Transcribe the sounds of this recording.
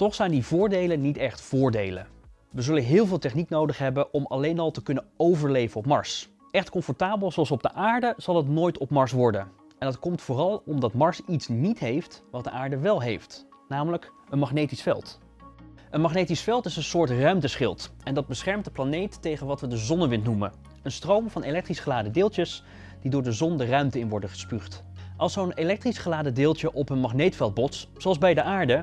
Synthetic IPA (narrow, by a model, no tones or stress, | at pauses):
tɔχsɛjndivʊːɹdejlənnitɛχtfʊːɹdejlə̰ | ʋəzɵlənɦɪːlˠvɪːlˠtɛχniknowdəχɦɛbənʔɔmɑ̰lejnɑlˠtəkɵnənowvəɹlejvənɔpmɑ̰ɹs | ʔɛχtkɔ̃mfɔɹtaːbəlˠzowɑlˠsɔb̚dəʔaːɹdəz̥ɑlˠɦətnoːjtɔpmɑɹsʋɔɹdən | ɛnɑtkɔmtfʊːrɑlˠɔmdɑtmɑɹsitsnitɦejftʋɑt̚dəʔaːɹdəʋɛlˠɦejft | naːmələk | ənmɑχnejtisfɛ̰lˠt | ənmɑχnejtisfɛlˠtɪsənsʊːɹtrœɥmtəsχɪ̰lˠtɛndɑd̚bəsχɛɹmt̚dəplanejtːejχənʋɑtʋədəzɔnəʋɪntnumə | ənstrowmvɑnelɛk̚trisχəlaːdədɪːlˠəs | d̥idʊːɹdəzɔndərœɥmtəɪnʋɔɹdəχə̥spyχtʔɑlˠsownelɛk̚trisχəlaːdədɪːlˠtəʔɔpənmɑχnejtfɛlˠd̚bɔts | soɑlzbɛjdəʔaːɹdə